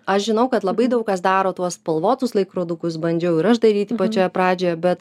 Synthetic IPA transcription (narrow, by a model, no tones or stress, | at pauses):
ɐʃʒʲɪnɐʊkɐt̪lˠɐbɐɪd̪ɐʊk̚kɐsd̪ɑːɾoːt̪uɔspɐlˠʋoːt̪ʊslˠɐɪkɾoːd̪ʊkʊs̬bɐnʲd͡ʒʲɛʊɪɾɐʃd̪ɐɾʲiːt̪ʲɪpɐt͡ʃʲoːjɛpɾɑːd͡ʒʲoːjɛbʲɛt̪